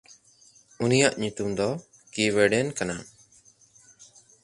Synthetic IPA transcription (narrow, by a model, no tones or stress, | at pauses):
unijaʔɲut̪umd̪ɔ | kiwɛɖɛnkana